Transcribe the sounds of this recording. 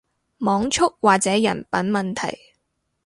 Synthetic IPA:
mɔː˨˥ŋt͡ʃʰʊ˥k̚waː˨k̚t͡sɛː˨˥jɐ̰˨˩npɐ˨˥nmɐ˨nt̪ʰɐ̰˨˩j

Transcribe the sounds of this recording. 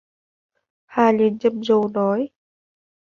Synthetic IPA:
haː˧˩li˧˩ənt͡ɕə˧˩mzo˧˩nɔ˨˦j

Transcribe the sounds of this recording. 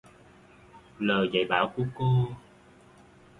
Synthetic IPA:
ləː˨˩jza̰˧˨jɓaː˧˦wku˧˦əko˧

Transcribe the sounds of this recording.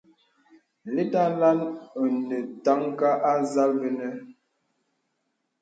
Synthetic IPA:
le˦ta˦la˦nə˨nə˨ta˦ŋka˦ʔa˦za˦lbə˦nə˦

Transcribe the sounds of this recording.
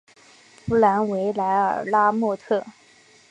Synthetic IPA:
pu˧˥la˧˥nwe˧˥ɪla˧˥ɪə̰˨˩la˥mwɔ˥˧t̪ʰɤ˥˩

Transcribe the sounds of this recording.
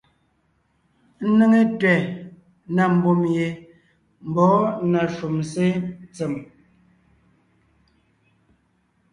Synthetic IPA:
n̩˦nə˦ŋe˦twɛ˨ | na˨m̩˨bo˨mje˨ | m̩˨bɔ˨˦na˨ʃu˨mse˦t͡se˨m

